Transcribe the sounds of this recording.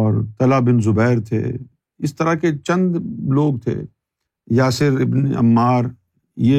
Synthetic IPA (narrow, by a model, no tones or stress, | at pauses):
ɔːɾt̪ɐlaːbɪnzʊbɛːɾt̪ʰḛː | ɪst̪ɐɾaket͡ʃɐ̃nd̪loːɡ̚t̪ʰḛː | jaːsɪɾɪbnɐ̰mːaːɾ | je